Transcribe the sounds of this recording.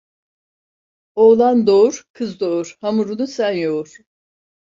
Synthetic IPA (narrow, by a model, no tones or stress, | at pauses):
oːlˠand̪o̞ɾkʰɯzd̪ouɾ̥hamuɾunusænjouɾ̥